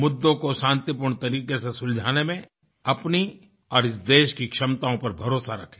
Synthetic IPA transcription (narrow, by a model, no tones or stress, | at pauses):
mʊd̪ːõkoʃãːnt̪ip̬ʊːɾɳ̃t̪ɐɾiːqesesʊld͡ʒʱaːnemẽ | ɐpni | ɔːɾɪs̬d̪eːʃkikʃɐmt̪aːõpɐɾbʱɐɾoːsaɾɐkʰẽ̥